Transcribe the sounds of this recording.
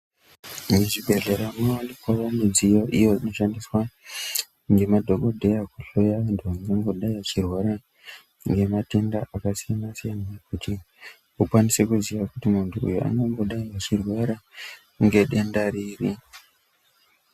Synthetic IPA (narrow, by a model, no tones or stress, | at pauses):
ŋɡeʐibʱe̞ɮeɾanoanikwawanid͡zijoʔijo̞ino̞ʃandiswa | ŋɡe̞madʱoɡodʱe̞jakuɬojaendoaŋɡaŋɡo̞ɗaiat͡ʃirwaɾa | ŋɡe̞matendaʔakasijanasijanajekuti | ukwanisekuziʋakutimuntuṵjoʔa̰ŋɡaŋɡo̞ɗaiat͡ʃirweɾa | ŋɡe̞ɗe̞ndaɾiri